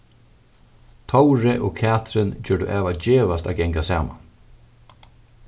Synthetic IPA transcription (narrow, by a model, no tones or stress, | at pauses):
t̪ʰɔwɾɪʔɔkʰæːt̪ɾɪnd͡ʑœːɖṵʔɛːʋad͡ʑeːʋast̪a̰ːɡɛŋkasa̰ːma̰n